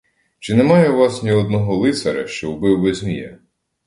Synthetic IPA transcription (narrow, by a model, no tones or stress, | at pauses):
t͡ʃɪnemɑjɛʋɑsnʲiɔd̪nɔɦɔlˠɪt̪sɐɾɐ̰ʃt͡ʃɔʊbɪwːɛzʲmʲijɛ̰